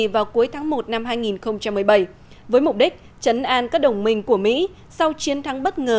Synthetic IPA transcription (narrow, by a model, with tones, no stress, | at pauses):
vaː˨˩wku˨˦əjt̪ʰaː˨˦ŋmo˨˩t̚na˧mɦaː˧jŋi˨˩nxə˧wŋ͡mt͡ɕa˧mːɨ˨˩əjɓə˧˩j | vəː˨˦jmʊ˨˩k͡p̚ɗi˦˥k̟̚ | t͡ɕə˨˦nʔaː˧nkaː˦˥k̚ɗə˨˩wŋ͡mmï˧˩ŋ̟ku˧˩əmḭ˧˥ | sa˧wt͡ɕi˨˦ənt̪ʰa˨˦ŋɓə˦˥t̚ŋəː˨˩